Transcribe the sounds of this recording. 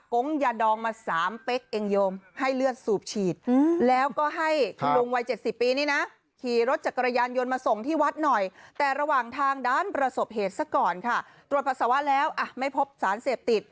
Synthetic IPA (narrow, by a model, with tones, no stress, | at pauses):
ko˦˥ŋjaː˧dɔː˧ŋmaː˧saː˩˦mpe˦˥k̚ʔe˧ŋjoː˧mha˥˩jlɯ˥˩ət̪̚suː˨˩p̚t͡ɕʰiː˨˩t̪̚ːlɛː˦˥wkɔː˥˩ɦa˥˩jkʰa˧lu˧ŋwa˧jt͡ɕe˨˩t̪̚si˨˩pːiː˧niː˦˥na˦˥ | kʰiː˨˩ɾo˦˥t̪̚t͡ɕa˨˩kːa˧ɾa˧jaː˧njo˧nmaː˧so˨˩ŋt̪ʰiː˥˩wa˦˥t̪̚nɔ˨˩jt̪ɛː˨˩ɾa˧waː˨˩ŋt̪ʰaː˧ŋdaː˥˩npɾa˧so˨˩p̚ɦeː˨˩t̪̚sa˥˩kɔː˨˩nkʰa˥˩t̪ɾu˨˩ət̪̚pʰa˧˩sa˨˦wa˦˥lɛː˦˥wʔa˨˩ma˥˩jpʰo˦˥p̚saː˩˦nseː˨˩p̚t̪i˨˩t̪̚